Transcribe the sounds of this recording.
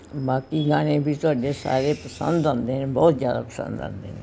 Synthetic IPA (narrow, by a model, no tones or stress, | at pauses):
baːkiːɡaːɽ̃ẽːbʱit̪ʊaːɖeːsa̰ːɾeːpəsə̰nd̪ãːnd̪eːnẽːbɔːt̪zjaːd̪a̰ːpəsə̰̃nd̪ã̰ːnd̪ḛːnẽː